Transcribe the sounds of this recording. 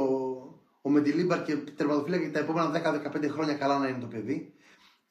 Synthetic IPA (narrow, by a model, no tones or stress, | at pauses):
o | omed̪ilibɐɾcet̪eɾmɐt̪ofilɐkt̪ɐe̞po̞me̞nɐðekɐðekɐpnd̪e̞xɾo̞ɲɐkɐlɐnɐinet̪o̞pe̞ði